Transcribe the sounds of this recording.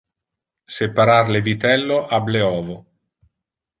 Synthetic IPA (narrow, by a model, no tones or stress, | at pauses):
sepaɾaɾlevit̪ɛlːoʔableɔːvo